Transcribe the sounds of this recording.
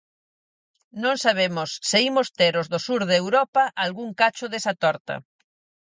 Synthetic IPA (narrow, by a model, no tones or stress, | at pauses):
nõŋsaβ̞emʊsːɪimʊst̪eɾʊzðʊsuɾðeːwɾɔpɐʔalɣuŋkat͡ʃʊðesɐt̪ɔɾt̪ɐ̰